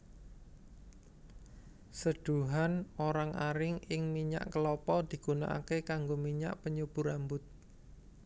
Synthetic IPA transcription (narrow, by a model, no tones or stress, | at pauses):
səɖ̥uɦanoɾaŋaɾɪŋɪŋmiɲa̰ʔkəlɔpɔd̪̥i̤ɡ̥unaʔa̰kekaŋɡomiɲa̰ʔpəɲub̥ṳɾambʊt̪̚